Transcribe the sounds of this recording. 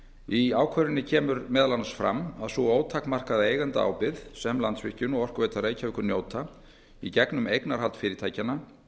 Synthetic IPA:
iaːwkʰœɾɪnːɪcʰɛːmʏɾmɛːðalanasfɾa̰mːaðsuoːwt̪ʰaːhkmar̥kaðaeːjɣant̪aa̰ːwpɪðsɛmlant̪svɪhcʏnɔɣɔr̥kveːjt̪aɾeːjcavɪhkʏɾnjoːwt̪a | icɛknʏmejknaɾ̥halt̪fɪːɾɪt̪ʰaːjcanːa

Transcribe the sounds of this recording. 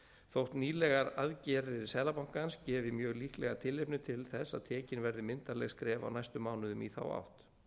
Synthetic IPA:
θowht̪niːlɛɣaɾaðcɛːɾðɪsɛːlapawŋ̥kanscɛːvɪmjœːɣliːhklɛɣat̪ʰɪlːehpnʏt̪ʰɪlθɛsa̰ðt̪ʰɛːcɪnvɛɾðɪmɪnt̪alɛɣskɾɛːva̰wnajst̪ʏmːaːwnʏðʏmḭθa̰wa̰wht̪

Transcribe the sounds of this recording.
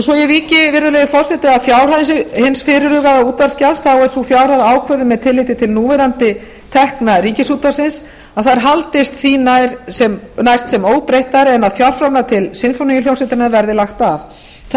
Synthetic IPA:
sɔjɛviːcɪvɪɾðʏlɛjðɪfɔr̥sɛt̪ɪaðfjawɾhaðɪnsɪɣhɪnsfɪɾɪɾʏɣaðauːt̪vaɾscalst̪θawɛðsufjawɾ̥aðaːwkʰvœðɪmɛðt̪ʰɪlːɪjt̪ɪt̪ʰɪlnuːvɛɾant̪ɪ | t̪ʰɛhknaɾiːcɪsuːt̪asɪns | aðθaɾ̥ɦalt̪ɪst̪θinajɾ̥sɛmnajst̪sɛmoːwpɾejht̪aɾɛnaðfjawr̥fɾamnat̪ʰɪlsɪnfonicɪljowsɛt̪ɪɾnavɛɾðɪlaxt̪av | θ

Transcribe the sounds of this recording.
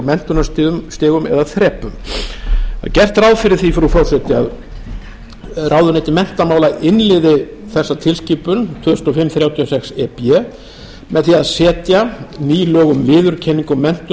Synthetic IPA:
mɛn̥t̪ʏnast̪ːst̪ɪːɣʏmɛ̰ðaθɾɛːpʏm | a̰ðcɛr̥t̪ɾaːwðfɪɾɪɾ̥θifɾufɔwrsɛt̪ɪað | raːwðʏnɛjt̪ɪmɛn̥t̪amaːwlaʔɪnlɪðɪ | θɛsːat̪ʰɪlscɪpʏnt̪ʰvœst̪ɔfɪmːθɾjaːwt̪ʰiɔsɛksɛpɛ | mɛðθiaðsɛːt̪janiːlɔːɣʏmvɪːðʏɾcʰɛnːiŋkʏmːɛn̥t̪ʏ

